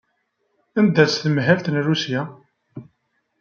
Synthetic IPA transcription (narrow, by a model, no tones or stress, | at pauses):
ænd̪æt͡sθmɦælt̪nrusja